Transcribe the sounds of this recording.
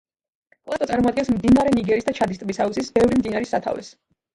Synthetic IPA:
pʼlˠat̪ɔt̪sʼaɾmɔad̪̚ɡɛnsmd̪inaɾɛniɡɛɾisd̪at͡ʃʰad̪ist̪ʼbisausisbɛvɾimd̪inaɾisat̪ʰa̰vlḭs

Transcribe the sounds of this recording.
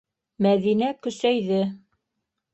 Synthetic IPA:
mæðinækɵ̆sæjðɘ

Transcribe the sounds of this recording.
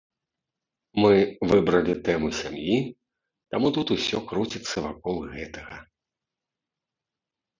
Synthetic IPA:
mɨvɨbɾɐlʲit̪ɛmɨsʲamji | t̪amut̪ut̪usʲɔkɾut͡sʲit̪sːɐvakɔlˠɣɛt̪ɐɣɐ

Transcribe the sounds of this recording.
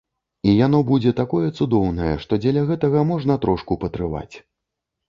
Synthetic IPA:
ijan̪ɔbud͡zʲɛt̪akɔjɛt̪sud̪ɔwnɐjɛ̰ʂt̪ɔd͡zʲɛlʲɐɣɛt̪ɐɣɐmɔʐnɐt̪ɾɔʂkupɐt̪ɾɨva̰t͡sʲ

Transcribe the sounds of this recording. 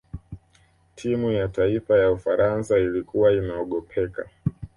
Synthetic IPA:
tʰimujataifajaufaɾʔansailikuwainaɔɠɔpʰɛka̰

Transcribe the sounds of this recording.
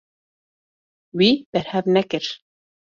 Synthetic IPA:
wib̥ɛɾhɛvnɛkɨɾ

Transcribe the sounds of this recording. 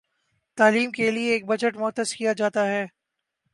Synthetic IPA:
t̪aːliːmkelieːk̚bɐd͡ʒəʈmʊɦt̪ːəskijad͡ʒaːt̪aɦɛː

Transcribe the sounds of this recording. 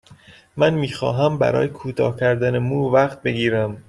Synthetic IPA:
mænmiːxɒ̰ːɦæmbæ̰ɾɒ̰ːjekʰuːt̪ʰɒ̰ːhcʰæɾd̪ænemuːvæχt̪̚be̞ɡiːɾæm

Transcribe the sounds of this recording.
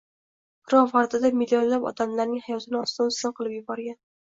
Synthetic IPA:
b̥ɾɒvaɾt̪ɪd̪amɪlʲːijɒnlabɒ̰t̪amlaɾnɪŋhajɒt̪ʰɪnɪɒst̪ɪmst̪ɪnqʰɨlˠɪpjʊbɒɾɡʲan

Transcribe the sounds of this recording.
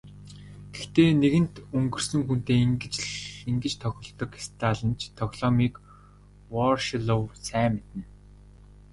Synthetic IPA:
ɡ̥ext̪eːneɣɘ̆nt̪ɵŋɡɵ̆r̥sɵ̆ŋxunt̪eːiŋɡɘ̆t͡ɕɮiŋɡɘ̆t͡ɕt̪ʰɔxʲɪ̆ɮt̪ɞ̆ki̥st̪ʰaːɮə̆nt͡ɕʰt̪ʰɔɣʲɮ̥ɔmiːk | wɔrʃiɮowsæːmet̪ɘ̆n

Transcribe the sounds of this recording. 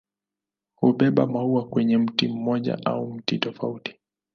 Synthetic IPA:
huɓɛɓa̰mauakwɛɲɛm̩tim̩mɔʄa̰ʔa̰um̩titɔfauti̥

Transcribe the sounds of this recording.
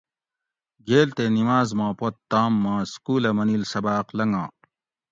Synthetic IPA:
ɡeːlt̪eːnimaːzmãːpot̪ːaːmːãːskuːlɐmɐnilsɐbaːqlɐŋɡã̰ː

